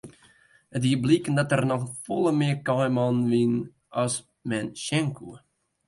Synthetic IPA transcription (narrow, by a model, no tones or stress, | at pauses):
ətʋiəblikəndɔtərnɔxfolˠəmɪərkɑjmɑnʋin | ɑs | mɛnʃɛŋkʰuə